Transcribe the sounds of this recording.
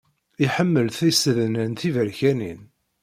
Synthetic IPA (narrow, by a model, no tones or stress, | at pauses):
iħəmːəlθisəðənənt̪ivəɾçænḭn